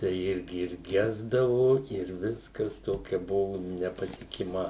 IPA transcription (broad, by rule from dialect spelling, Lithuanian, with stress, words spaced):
tɐɪ ˈɪrʲɡʲɪ ɪr ˈɡʲæːzdɐʋoː ɪr ˈʋʲɪskɐs ˈtoːkʲɛ ˈbʊʋʊ nʲɛpɐtʲɪkʲɪˈmɐ